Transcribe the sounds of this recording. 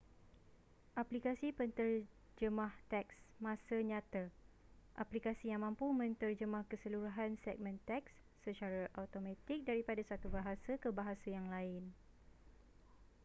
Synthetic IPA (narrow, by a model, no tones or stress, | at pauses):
ʔaplikasipənt̪ər | d͡ʒəmaht̪ɛksmãsəɲãt̪a | ʔaplikasijaŋmãmpumə̃nt̪ərd͡ʒəmahkəsəluɾuɦansɛk̚mə̃nt̪ɛk̚sːət͡ʃaɾaʔawt̪omãt̪ik̚daɾipadasat̪ubaɦasakəbaɦasajaŋlaɪn